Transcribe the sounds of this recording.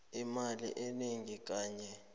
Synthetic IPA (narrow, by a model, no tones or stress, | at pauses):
imalḭʔeniŋik̬ʼaːɲɛ